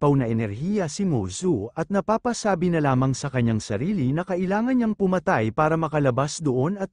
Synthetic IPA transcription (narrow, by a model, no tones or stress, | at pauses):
pɐwnɐʔɛnɛɾhijɐsimosuɐt̪̚nɐpaːpɐsaːbinɐlaːmɐŋsɐkɐɲːaŋsɐɾiːlinɐkɐʔɪlaːŋɐnɲɐŋpʊmɐt̪ajpaːɾɐmɐkɐlɐbasd̪oʔo̞nɐt̪̚